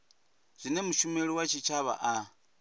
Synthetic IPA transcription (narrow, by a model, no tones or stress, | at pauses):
zʷinɛmuʃumeɺiwat͡ʃʰit͡ʃʰaβa̰ʔa